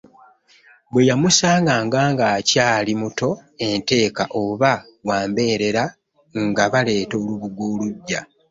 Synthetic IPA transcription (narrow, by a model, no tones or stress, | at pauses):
bwe̞jamusaːŋɡaːŋɡaːŋɡaːcaːlimuto̞e̞nte̞ːkaʔo̞βa | waːmbe̞ːɾe̞ɾa | ŋɡaβale̞ːto̞ːluβuɡwo̞ːluɟːa